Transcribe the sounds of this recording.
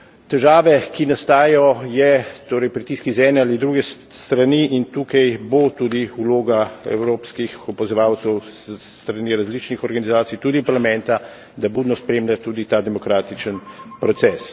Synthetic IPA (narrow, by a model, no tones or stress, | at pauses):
t̪ɛʒaːʋɛkinast̪aːjɔjɛt̪oːɾəjpɾit̪iːskizɛːnɛalid̪ɾuɡɛ | st̪ɾaniʔint̪uːkajbot̪uːd̪iuloːɡaɛ̰wɾoːpskixɔpazɔʋaːwt̪sɛwssst̪ɾaniɾazlit͡ʃnixɔɾɡanizaːt̪sijt̪uːd̪ipaɾlamɛnt̪a | d̪abuːd̪nɔspɾeːmlʲjat̪uːd̪it̪aːd̪ɛmɔkɾaːt̪it͡ʃənpɾɔt̪sɛːs